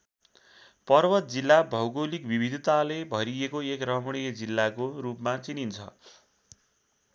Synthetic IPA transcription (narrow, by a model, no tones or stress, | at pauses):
pʌrbʌt̪̚d͡zilːabʱʌwɡolikbʱibʱid̪ʱt̪alebʱʌɾiekoekrʌmɽijʌd͡zilːakoɾupmat͡sinint͡sʰʌ̰